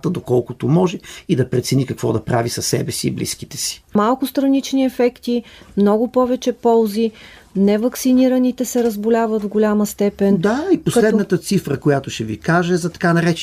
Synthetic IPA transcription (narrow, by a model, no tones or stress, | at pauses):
t̪əd̪okɔlˠkʊt̪omɔʒɛid̪ɐpɾɛt̪sɛnikɐkvɔd̪ɐpɾavisɐsɛbɛsiːblḭskit̪ɛ̥si̥malˠkʊst̪ɾɐnit͡ʃniɛfɛkt̪imnɔɡʊpɔvɛt͡ʃɛpɔlˠzi | nɛvɐksiniɾənit̪ɛsɛɾəzbʊlʲavət̪vɡʊlʲaməst̪ɛpɛnd̪aiposlɛd̪nət̪ət̪sifɾəkojat̪oʃɛvikaʒɛzɐt̪ɐ̥kanɐɾɛt͡ʃ